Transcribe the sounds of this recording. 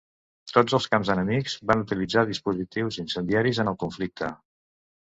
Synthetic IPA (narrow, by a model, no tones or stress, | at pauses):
t̪od͡zəlˠskamzənəmikz̥βanut̪ilid͡zaðispuzit̪iwzinsənd̪iaɾizənəlˠkuɱflik̚t̪ʰə